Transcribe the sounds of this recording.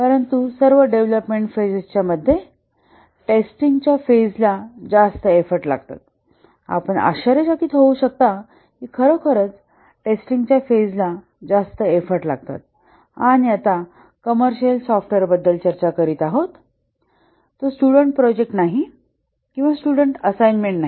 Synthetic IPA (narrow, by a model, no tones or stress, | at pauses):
kaɾənt̪usəɾʋəɖeʋləpmeɳʈfed͡zst͡ɕjaməd̪ʱːje | ʈesʈiŋɡt͡ɕjafed͡zlad͡zast̪əefəɾʈla̰ɡt̪a̰t̪ | a̰pəɳa̰ɕəɾed͡ʑakiːt̪ɦouɕək̚t̪a | kikʰəɾəkʰəɾət͡s | ʈesʈiŋɡt͡ɕjafed͡zla | d͡zast̪əefəɾʈla̰ɡ̚t̪a̰t̪̚ | añiat̪a | kəməɾɕəlsɔfʈʋeɾbəd̪ːəlt͡ɕəɾt͡ɕakəɾiːt̪aɦot̪ | osʈuɽəɳʈ̚pɾɔd͡ʑek̚ʈnaɦi | kĩw̃ʋasʈuɽəɳʈəsajnmeɳʈ̚na